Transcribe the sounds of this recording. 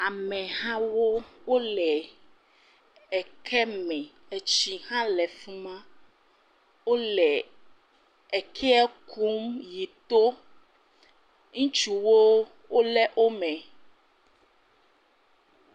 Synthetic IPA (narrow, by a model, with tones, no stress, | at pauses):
a˨mɛ̃˨ɦã˦wo˦wo˦lɛ˨ | ɛ˨kʰɛ˦mɛ̃˨ | e˨t͡ɕi˨hã˦lɛ˨fũ˦mã˦ | wo˦lɛ˨ | ɛ˨kʰɛ˦ɛ˦kʰu˦mji˨t̪o˦ | ŋũ˦t͡ʃu˨wo˦ | wo˦lɛ˦ʔo˦mɛ̃˨